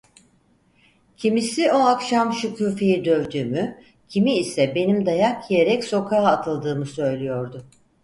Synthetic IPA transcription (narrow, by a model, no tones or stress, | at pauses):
cʰimisio̞akʃamʃucʰuːfejid̪ø̞vd̪yːmy | cʰimiːsɛbe̞nimd̪ajakjije̞ɾɛcso̞kʰaːt̪ʰɯlˠd̪ɯːmɯsø̞jlʲijo̞ɾd̪ʊ